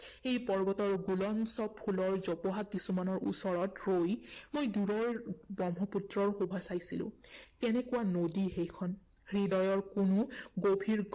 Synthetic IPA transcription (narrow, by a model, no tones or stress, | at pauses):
ejpɔɹbɔtɔɹɡulɔnsɔpʰulɔɹzɔpɔɦakisumanɔɹʔṵsɔɹɔtɹojmojduɹɔɹbɔmɦɔputɹɔɹxubʱasajsilʊ̰̃kɛnɛkuwanodixejkʰɔnhɹidɔjɔɹkunʊɡobʱiɹk